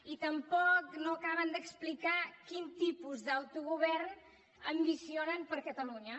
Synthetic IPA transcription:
it̪əmpɔknoəkaβənd̪əksplikakint̪ipuzðəwt̪uɣuβɛrn | əmbisionənpəɾkət̪əluɲə

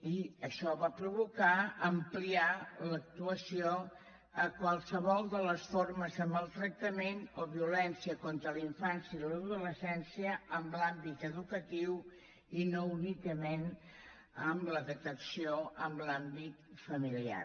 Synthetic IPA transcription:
iəʃɔβapɾuβukaəmplialək̚t̪uəsio | əkwalˠsəβɔlˠd̪ələsforməzəmbəlˠt̪ɾək̚t̪əmenoβiulɛnsiəkont̪ɾəliɱfansjəiləðuləsɛnsiəəmblambit̪əðukət̪iw | inounikəmen | əmləðək̚t̪əksioəmlambit̪fəmilia̰

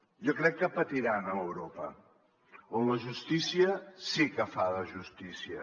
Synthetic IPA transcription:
ʒɔkɾɛkːəpət̪iɾanəəwɾopə̰ | onləʒust̪isiəsikəfaðəʒust̪isiə̰

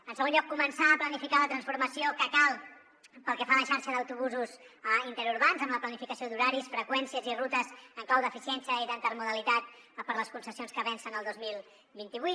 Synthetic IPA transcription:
ənsəɣonʎɔkːumənsaːplənifikalət̪ɾənsfuɾməsiokəkalˠ | pəlˠkɛfaləʃaɾʃəðəwt̪uβuzusint̪əɾuɾβanzəmləplənifikəsiod̪uɾaɾisfɾəkwɛnsiəzirut̪əzəŋklawd̪əfisiɛnsiəiðənt̪ərmuðəlit̪at̪ | pəɾləskunsəsionskəβɛnsənəlˠd̪ozmilˠ | bint̪iβui

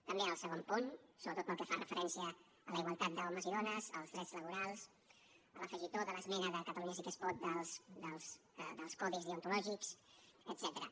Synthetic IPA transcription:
t̪əmbeəlˠsəɣompunsoβɾət̪ot̪pəlˠkɛfarəfəɾʔɛnsiəː | ləiɣwalˠt̪at̪̚d̪əɔməziðɔnəzəlˠzðɾɛdzləβuɾalˠs | ələfəʒit̪oðələzmɛnəðəkət̪əluɲəzik̪əspɔt̪̚d̪əlˠsd̪əlˠsd̪əlˠskɔðizðiunt̪ulɔʒiksət̪z̥ɛt̪əɾə

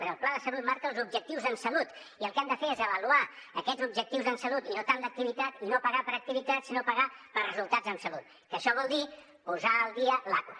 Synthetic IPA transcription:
ɾəlˠplaðəsəlut̪̚maɾkəlˠzubʒək̚t̪iwzəmsəlut̪ | iəlˠkɛmd̪əfeezəβəluaəkɛd͡zubʒək̚t̪iwzənsəlut̪inot̪and̪ək̚t̪iβit̪at̪inopəɣapəɾək̚t̪iβit̪at̪sinopəɣapəɾrəzulˠt̪ad͡zəmsəlut̪̚ | kəʃɔβ̞ɔlˠd̪i | puzaəlˠd̪iəlakwə

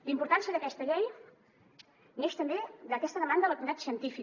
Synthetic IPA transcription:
limpuɾt̪ansiəðəkɛst̪əʎej | neʃt̪əmbed̪əkɛst̪əðəmand̪ələkt̪mit̪at̪siənt̪ifi

